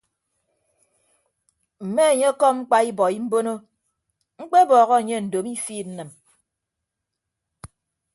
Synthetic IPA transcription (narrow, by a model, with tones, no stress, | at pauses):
m̩˨me˦a˨ɲe˦kɔ˦ŋ͡m̩˦k͡pa˦i˦bɔ˨i˦m̩˦bo˦no˦ | ŋ͡m̩˦k͡pe˦bɔː˨ɣɔ˦a˨ɲe˦n̩˨do˨mi˦fiː˦˨n̩˦nɨ˨m